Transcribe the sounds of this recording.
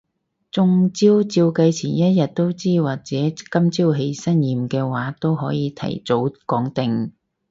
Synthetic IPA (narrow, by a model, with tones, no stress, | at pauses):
t͡sʊ˨˧ŋt͡siː˥wt͡siː˧wkɐ˧jt͡sʰiː˨˩njɐ˥t̚jɐ˨t̚t̪o˥wt͡siː˥waː˨k̚t͡sɛː˨˦˥kɐ˥mt͡siː˥wɦe˧jsɐ˥njiː˨mkɛː˧waː˨˥t̪o˥wɦɔː˨˥jiː˨˧t̪ʰɐ̰˨˩jt͡so˨˥wkɔː˨˥ŋt̪ɪ˨ŋ